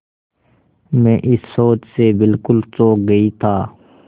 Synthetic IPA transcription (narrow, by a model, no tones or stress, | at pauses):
mɛ̃ːʔɪsːoːt͡ʃsebɪlkʊlsoːk̚ɡəit̪ʰaː